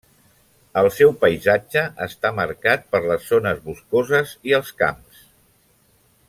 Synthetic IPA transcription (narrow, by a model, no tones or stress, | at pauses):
əlˠsɛwpəizad͡ʒəʔəst̪aməɾkat̪̚pəɾləzːonəzβuskozəziəlˠska̰ms